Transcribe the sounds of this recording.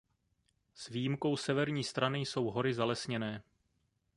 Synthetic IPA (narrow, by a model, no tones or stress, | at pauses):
svijimko̞wsɛvɛɾɲiːst̪ɾanɪjso̞wɦo̞ɾɪzalɛsɲɛnɛː